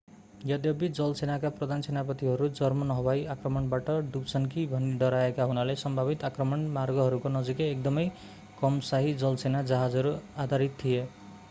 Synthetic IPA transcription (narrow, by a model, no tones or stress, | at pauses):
jʌd̪jʌbid͡zʌlsenakaprʌd̪ʱansenapʌt̪iɦʌɾud͡zʌrmʌnʌɦʌbajakrʌmʌɳbaʈʌɖupsʰʌnkibʱʌniɖʌɾaekaɦunalesʌmbʱabit̪akrʌmʌnmarɡʌɦʌɾukonʌd͡zikeːk̚d̪ʌmʌj | kʌmsaɦid͡zʌlsenad͡zaɦad͡zɦʌɾuad̪ʱaɾit̪tʰːije